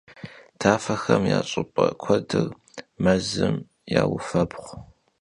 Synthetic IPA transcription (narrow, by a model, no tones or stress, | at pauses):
tʰaːfɐxɐmjaːɕʼɪpʼɐkʷʰɔdɨr | mɐzɨm | jaːwʊfɐbχʷ